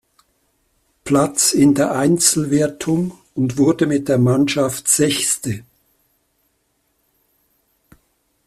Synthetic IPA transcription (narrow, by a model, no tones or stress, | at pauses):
pʰlat͡sɪndeːɐʔaɪnt͡sl̩veːɐtʰʊm | ʊndv̥ʊɐdəmɪt̚d̥eːɐmanʃaftz̥ɛçstə